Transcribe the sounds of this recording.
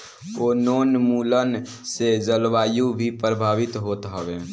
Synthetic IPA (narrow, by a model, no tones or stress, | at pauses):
onoːnmuːlən | sed͡ʒəlwaːjubʱipɾəbʱaːʋɪt̪ɦoːt̪ɦəʋe